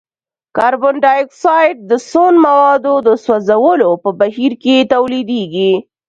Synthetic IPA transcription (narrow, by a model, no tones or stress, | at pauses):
kɑɾbʊnɖɑjksɑjɖ̚d̪əsonmawɑd̪od̪əswazawəlopəbaɦiɾket̪awlid̪eɡi